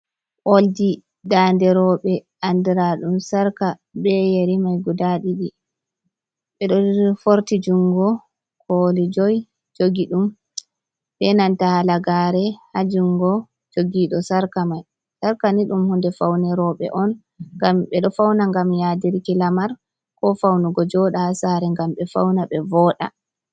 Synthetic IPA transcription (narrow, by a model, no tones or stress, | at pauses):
ʔoldi | dandɛɾɔɓɛ | andiɾaɗumsaɾka | ɓɛjeɾimajɡudaɗiɗi | ɓɛɗɔfoɾtid͡ʒuŋɡɔ | kʰolid͡ʒɔj | d͡ʒoɡiɗum | ɓɛnantahalaɡaɾɛhad͡ʒuŋɡɔ | d͡ʒoɡiɗɔsaɾkamaj | saɾkaniɗumhundɛfawnɛɾɔɓɛ̰ʔɔn | ɡamɓɛɗɔfawnaŋɡamjadiɾkilamaɾ | kɔfawnuɡɔd͡ʒɔɗahasaːɾɛŋɡamɓɛfa̰wnaɓɛvɔːɗa̰